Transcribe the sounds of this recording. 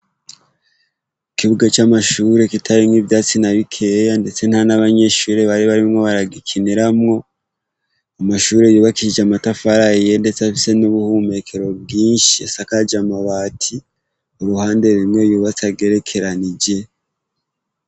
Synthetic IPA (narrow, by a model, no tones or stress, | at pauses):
ikiβuɡat͡ʃamaʃuːɾe̞kitʰaɾimŋivjaːt͡sinaβikʰe̞jande̞t͡se̞nhanaβaɲe̞ʃuːɾe̞βaɾiβaɾimŋo̞βaɾaɡikʰiniɾamŋo̞ | amaʃuːɾe̞juːβakiid͡ʒeamatafaɾaje̞nde̞t͡safise̞nuβuhume̞kʰe̞ɾo̞b̚ɡiːnʃisakad͡ʒamaβaːtʰi | uɾuhaːnde̞βimŋe̞juːβat͡saɡe̞ɾe̞kʰe̞ɾanid͡ʒe̞